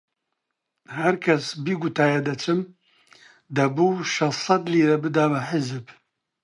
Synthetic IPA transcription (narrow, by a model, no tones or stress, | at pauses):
hæɾkʰɛsbiːɡut̪ʰaːjɛd̪ɐt͡ʃʰɨm | d̪ɐbuːʃɛsˤɑd̪liːɾɛbɨd̪aːbɐħɪzɨb